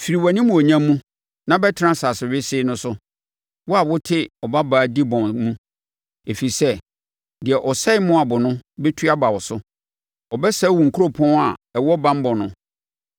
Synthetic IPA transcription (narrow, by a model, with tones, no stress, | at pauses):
fi˨ɾi˨wa˨nĩ˦mũ˨ɔ˨ɲã˦mːũ˦ | nã˦bɛ˦tʰɪ˦ã˦saː˨sɪ˨ɥɪ˦sɪ˦nʊ̃˦sʊ˦ | wɔ˦a˨wʊ˦tʰɪ˦ɔ˨ba˦baː˨˦˨di˦bɔ̃˨mmũ˦ | e˨fi˨i˨sɛ˦ | dɪ˨ɛ˨ʔɔ˨sɛ˦ɪ˦mʊ̃˦a˨bʊ˨nʊ̃˦bɛ˦tʰu˦a˦ba˨wɔ˨sʊ˦ | ɔ˨bɛ˦sɛ˦˨wũ˨ŋ̩˨kʰu˦ɾo˨pʰɔ̃˦na˨ɛ˨wɔ˦bã˦m˦bɔ̃˨nʊ̃˦